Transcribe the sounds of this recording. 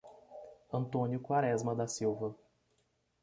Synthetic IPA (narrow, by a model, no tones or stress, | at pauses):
ɐ̃nt̪õnjʊkwaɾɛzmɐd̪asiwvɐ